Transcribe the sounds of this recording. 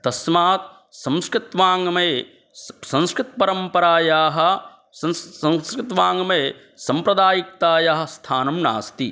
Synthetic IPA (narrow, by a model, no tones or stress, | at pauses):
t̪ɐsmaːt̪ | sɐ̃mskɾɪt̪ʋaːŋɡɐmeː | sɐ̃nskɾɪt̪̚pɐɾɐmpɐɾaːjaːɦɐ̆ | sɐɐ̃skɾɪt̪ʋaːŋɡɐmeː | sɐmpɾɐd̪aːjik̚t̪aːjaɦɐ̆st̪ʰaːnɐmna̰ːst̪i